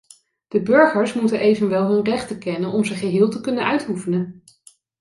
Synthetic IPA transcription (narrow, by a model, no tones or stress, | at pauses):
d̥əbɵɹχəɹsmutənʔejvənʋɛlˠɦɵnrɛχtəkɛnənɔmzəχəɦɪːlˠtəkɵnənœɥtufənən